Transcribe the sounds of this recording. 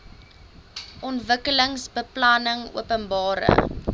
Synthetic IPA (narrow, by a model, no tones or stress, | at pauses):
ʔɔntvəkələŋsbəplɐnəŋṵəpənbɑːɾə̰